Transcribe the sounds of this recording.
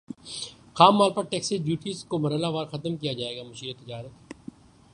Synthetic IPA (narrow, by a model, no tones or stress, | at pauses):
xaːmːaːlpɐɾʈɛːksid͡ʒjuːʈiːzkomɐɾəlaʋaːɾxɐt̪mkijad͡ʒaːeːɡaːmɐʃiːɾət̪ɪd͡ʒaːɾət̪